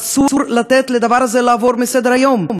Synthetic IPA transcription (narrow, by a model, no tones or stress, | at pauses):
suuɾlat̪ɛt̪led̪avaɾazelaːvoɾmesed̪eɾajomm